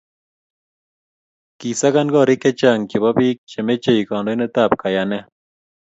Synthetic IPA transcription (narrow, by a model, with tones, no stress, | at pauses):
ki˨sa˦ka˦nɡɔ˦˨ɾi˦kːɛ˦t͡ʃa˦˨ŋkɪ˨ba˦biː˦k̚t͡ʃɛ˨me˦t͡ʃe˦˨i˨kɔ˨ndo˦ne˦t̪a˦˨p̚ka˨ja˨nɛ˦